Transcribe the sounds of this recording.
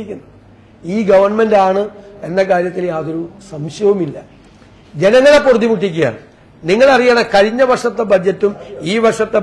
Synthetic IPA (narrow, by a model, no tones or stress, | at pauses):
ikʲːunːɐ | iːɡɐʋɐrɳme̞ndaːɳɨe̞nːɐk̬aːɾjɐt̪ːiljaːðo̞ɾusɐmɕɐʋɐmilːɐ | d͡ʑe̞nɐŋːɐɭepːurt̪ːimuʈːikʲːuja̰ːɳɨ | niŋːɐɭɐrijaɳɐkɐɻiɲːɐbɐrʂɐt̪ːebɐd͡ʑːɐtːumiːʋɐrʂɐt̪ːe